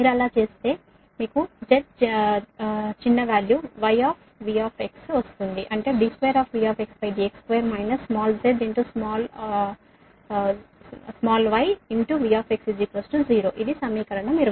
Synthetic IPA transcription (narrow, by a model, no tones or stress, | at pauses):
miːɾɛlaːt͡ʃe̞ːst̪e̞ː | miːkud͡ʒeʈ̚ | t͡ʃinːɐʋaːljuːʋɐjaːpʰ | ʋiːaːpʰe̞ksʋɐst̪und̪iʔɐɳʈe̞ːɖisʋeːɾaːpʰʋiːjaːpʰeksbɐjɖ̪iekskʋejɾmɐjnɐssmaːlzeɖ̪iɳʈusmaːl | smaːlʋɐjiɳʈuʋijaːpʰeksid͡ʒikʋɐsʈud͡ʒiːɾoːʔid̪isɐmiːkɐɾɐɳɐmːiːɾ